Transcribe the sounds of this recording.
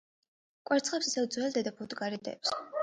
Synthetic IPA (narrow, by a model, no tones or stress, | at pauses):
kʼwɛɾt̪sʰχɛpsisɛvd̪zwɛld̪ɛd̪apʰut̪ʼɡaɾid̪ʼɛ̰ps